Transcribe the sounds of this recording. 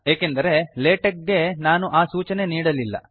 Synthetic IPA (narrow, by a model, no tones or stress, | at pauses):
eːkend̪ɐɾe̞leːʈɐk̚ːe̞naːnuʔaːsuːt͡ʃɐne̞niːɽɐlilːɐ̰